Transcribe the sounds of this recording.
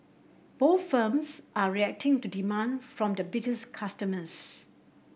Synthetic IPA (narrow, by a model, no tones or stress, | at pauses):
b̥oθfəmsʔaɹiɛk̚tɪ̃ŋtudimãnfɹɔ̃mdəbɪtəskʰastəməs